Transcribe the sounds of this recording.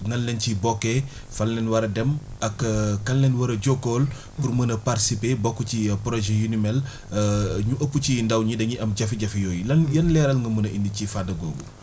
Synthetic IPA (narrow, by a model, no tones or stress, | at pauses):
nɐnlɛncibɔkːɛ | fɐlnɛnwɐɾɐdɛmɐkːkːɐnlɛnwɐɾɐɟɔkːɔːl | purmɐnɐparsipeːbɔkːucipɾɔʒɛjunimɛl | ɲuʔɐpːucindɐwɲidɐɲiʔɐmɟɐfiɟɐfijɔːjilɐnjɐnlɛːɾɐlŋɡɐmɐnɐindicifadɐɡɔːɡu